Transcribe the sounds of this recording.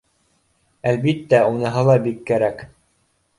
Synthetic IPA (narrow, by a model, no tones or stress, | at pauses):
ælbit̪ːæunɤ̆ɦɤlˠɑbikːæɾæk